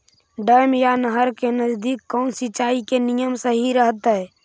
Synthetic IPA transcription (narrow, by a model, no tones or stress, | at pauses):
ɖəjmjanəɦəɾkenəd͡ʒd̪ikːɔnsit͡ʃaikenijəmsəɦiɾəɦt̪ə